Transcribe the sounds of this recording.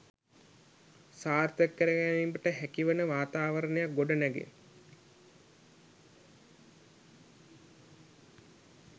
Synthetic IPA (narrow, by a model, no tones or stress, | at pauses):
saːrt̪əkːəɾəɡænimbəʈəɦækiʋənəʋaːt̪aːʋəɾənejak̚ɡoɖənæɡḛ